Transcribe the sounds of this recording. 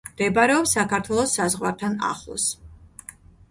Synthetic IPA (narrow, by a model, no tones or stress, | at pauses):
md̪ɛbaɾɛɔpsakʰaɾt̪ʰwɛlˠɔsːazʁwaɾt̪ʰana̰χlˠɔ̰s